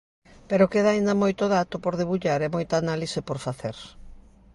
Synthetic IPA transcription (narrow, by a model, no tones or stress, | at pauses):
peɾokeðaind̪ɐmojt̪oðat̪opoɾðeβuʎaɾɛmojt̪aːnalisepoɾfaθeɾ